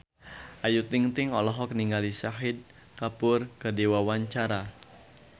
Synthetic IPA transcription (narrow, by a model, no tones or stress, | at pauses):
ʔajut̪ɪŋt̪ɪŋɔlɔɦɔkniŋɡalisaɦɪd̪̚ | kapʊrkədewawaɲt͡ʃaɾa